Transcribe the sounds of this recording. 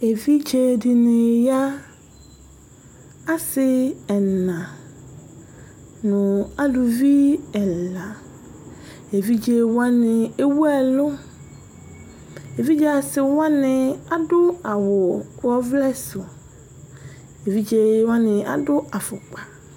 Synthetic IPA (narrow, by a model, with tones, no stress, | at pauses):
e˨vi˦d͡ʒe˨dɪ˨nɪ̃˨ja˦ | a˦sɪ˦ɛ˨nã˨ | nʊ̃˨a˦lʊ˨vi˦ɛ˨la˨ | e˨vi˦d͡ʑe˨wa˦nɪ̃˨e˦wu˦ɛ˨lʊ˦ | e˨vi˦d͡ʒɛ˨a˨sɪ˨wã˦nɪ̃˨a˦dʊ˦a˨wʊ˨wɔ˦vlɛ˦sʊ˨ | e˨vi˦d͡ʒe˨wã˦nɪ̃˨a̰˨dʊ˦a˨fʊ˨k͡pa˨